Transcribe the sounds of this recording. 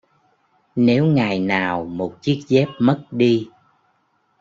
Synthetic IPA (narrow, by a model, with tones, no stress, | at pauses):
ne˨˦wŋa˨˩jnaː˨˩wmo˨˩t̚t͡ɕi˦˥ək̚zɛ˦˥p̚mə˦˥t̚ɗi˧